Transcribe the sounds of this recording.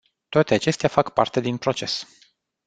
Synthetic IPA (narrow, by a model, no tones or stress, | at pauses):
t̪oat̪e̞at͡ʃe̞st̪eafakpa̰rt̪e̞d̪inpɾo̞t͡ʃe̞s